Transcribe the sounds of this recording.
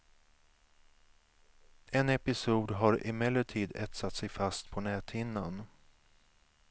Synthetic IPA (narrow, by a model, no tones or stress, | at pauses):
ɛnɛpɪsuːd̪ɦaɾɪ̰mɛlːəʈʰiːd̪ɛt̪sat̪ːsɛjfast̪pʰɔnɛːt̪ʰɪnːan